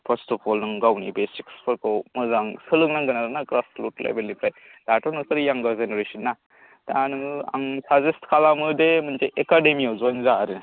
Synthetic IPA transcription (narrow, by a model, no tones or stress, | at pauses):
pʰɐɾstɔpʰɔlnɯŋɡawnibesi̥kspʰɯɾkowmɯzaŋsɯlɯŋnaŋɡɯnaɾɯnakɾasplutlʔḛbelipɾajd̥atɔnɔsɯɾjaŋɡazeneɾesɯnːa | tanɯa̰ŋsazestkʰalamɯdemɯnt͡ʃeʔekademiawzɔjnzaːɾɯ